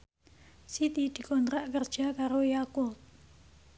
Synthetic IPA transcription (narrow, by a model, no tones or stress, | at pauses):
sit̪id̪̥i̤kɔnt̪ɾaʔkərd̥ʒ̥a̤kaɾojakʊt̪̚